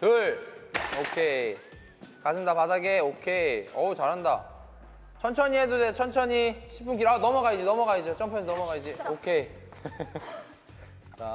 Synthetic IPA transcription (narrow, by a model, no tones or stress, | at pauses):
tɯɭokʰe | kasʰɯndapadaɡeokʰeʌt͡ɕaɾɦanda | t͡ɕʰʌnt͡ɕʰʌɲiɦedodet͡ɕʰʌnt͡ɕʰʌɲiɕʰi̥p͈unk̬iɾanʌmʌɡaid͡ʑinʌmʌɡaid͡ʑot͡ɕ͈ʌmpʰesʰʌnʌmʌɡaid͡ʑiokʰe | t͡ɕa